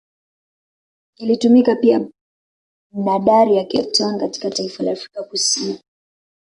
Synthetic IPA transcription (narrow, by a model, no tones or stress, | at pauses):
ilitumikapia | m̩ɗaɗaɾijakɛtɔnkati̥kataifalaːfɾikakusini